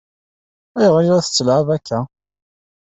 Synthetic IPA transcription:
æjəʁənɾæθə̥t͡sːəlʕavækʰːæ

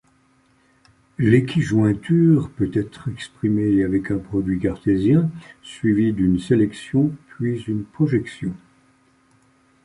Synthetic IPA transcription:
lekʰʲiʒwɛ̃t̪yːʁpøt̪ɛt̪χɛkspχimeavɛkɛ̃pχɔd̪ɥikaʁt̪ezjɛ̃sɥivid̪ynselɛksjɔ̃pɥizynpχɔʒɛksjɔ̃

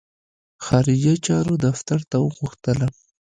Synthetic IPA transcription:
xɑɾɪd͡ʒat͡ʃɑɾod̪aft̪aɾt̪awəɣʊxt̪əla

